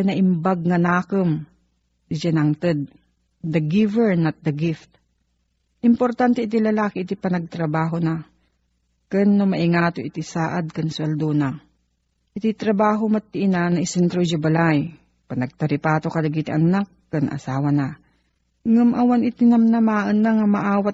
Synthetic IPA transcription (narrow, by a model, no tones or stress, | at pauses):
anɐʔɪmbaɡ̚ŋɐnaːkəm | ɪd͡ʒanaŋt̪ɨd̪̚ | d̪ɐɡivɛɹnɐt̪̚d̪ɐɡɪft̪̚ | ʔɪmpoɾt̪ant̪ɛʔɪt̪̬ilɐlaːkɪʔɪt̪ipɐnɐɡ̚t̪ɾɐbaːɦona | kɛnːomɐʔɪŋaːt̪oʔɪt̪isaːʔad̪̚kɐnsʊɐld̪ona | ʔɪt̪it̪ɾɐbaːɦomɐt̪ːɪʔɪnanɐʔɪsɛnt̪ɾod͡ʒʊbalaj | pɐnɐɡ̚t̪ɐɾɪpaːt̪okɐlɐɡiːt̪ɪʔɐnakːɐnʔɐ̰saːwɐna | ŋumʔɐwanɪt̪ɪnɐmnɐmaːʔənːaŋamɐʔaːwat̪̚